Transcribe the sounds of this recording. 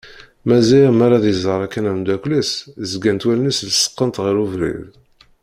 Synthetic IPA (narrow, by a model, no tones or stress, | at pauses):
mæzæjmaɾˤɑðjəzˤəɾˤækːænæmd̪ækʷlæszɡænt̪wælnisləsə̥qːənt̪ʁiɾuvɾḭð